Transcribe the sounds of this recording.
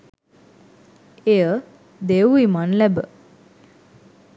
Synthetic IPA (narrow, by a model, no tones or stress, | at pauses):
ejə | d̪euimanlæbə